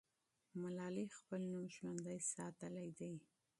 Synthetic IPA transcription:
malɑlixpəlnumʒwand̪ajsɑt̪əlajd̪aj

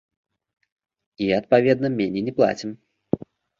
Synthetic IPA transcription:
iɐt̪̚pavʲɛd̪nɐmʲɛnʲinʲɛplˠa̰t͡sʲim

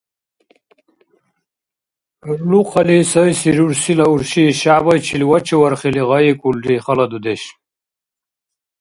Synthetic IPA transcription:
ɾluqɐlisɐjsiɾuɾsilauɾɕiɕaːbɐjt͡ɕʰilwɐt͡ɕʰiwɐɾχiliʁajekulɾiχɐlɐd̪ud̪eɕ

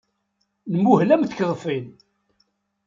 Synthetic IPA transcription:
nəmːuhlæmθkðˤfin

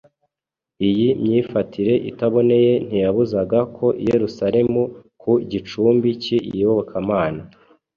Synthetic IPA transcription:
ijimɲiːfatʰiɾe̞ʔḭtaβone̞je̞n̥ijaβuzaɡakʰo̞ʔḭje̞ɾusaɾe̞mukʰuɟit͡ʃuːmbiciḭβoβakʰamaːna

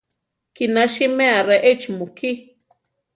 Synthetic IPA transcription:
kinaʃimeaɾeʔet͡ʃmukʰi

